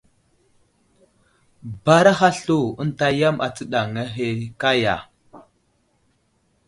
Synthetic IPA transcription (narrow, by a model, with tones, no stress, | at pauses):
ba˦ɾa˦ɦa˦ɬo˨ə˦nta˦ja˦ma̰˨t͡sə˦ɗa˨ŋa˦ɦe˦ka˦ja̰˨